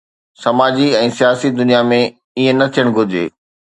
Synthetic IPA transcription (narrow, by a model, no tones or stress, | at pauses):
sɐmaːd͡ʑiɛ̃ːsijaːsid̪ʊnijamẽ | iɦẽnɐt̪ʰijəɽ̃ɡʱʊd͡ʑḛː